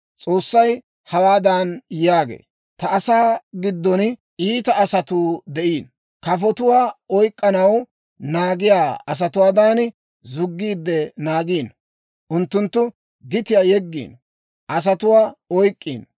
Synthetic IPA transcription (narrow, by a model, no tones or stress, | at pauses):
t͡sʼo̞ːsːɐj | hɐwaːd̪aːnjaːɡḛː | t̪ɐʔɐsaːɡɪd̪ːɔn | iːt̪ɐːsɐt̪uːd̪ɛʔiːn | kɐfɔt̪ʊwaːɔjkʼːɐnɐw | naːɡɪjaːɐs̬ɐt̪ʊwaːd̪aːn | zʊɡːiːd̪ːɛnaːɡiːn | ʔʊnt̪ːʊnt̪ːʊ | ɡɪt̪ɪjaːjɛɡːḭːn | ʔɐs̬ɐt̪ʊwaːɔjkʼːiːn